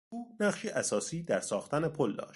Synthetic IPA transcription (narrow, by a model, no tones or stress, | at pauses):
uːnæχʃiːʔæsɒːsiːd̪æɾsɒːxt̪ʰæne̞pʰold̪ɒ̰ːʃ